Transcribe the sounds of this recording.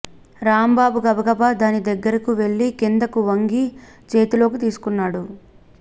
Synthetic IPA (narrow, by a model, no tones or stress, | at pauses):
ɾaːmbaːbuɡɐbɐɡɐbad̪aːnid̪ɐɡːɐɾɐkuʋe̞ɭːikind̪ɐkuʋɐŋɡi | t͡ʃeːt̪ilo̞ːkit̪iːsu̥kunːaːɽu